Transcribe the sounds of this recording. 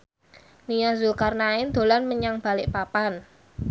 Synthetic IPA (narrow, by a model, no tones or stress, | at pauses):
nijazʊlkarnaɪnd̪̥o̤lanməɲaŋb̥a̤lɪʔpapan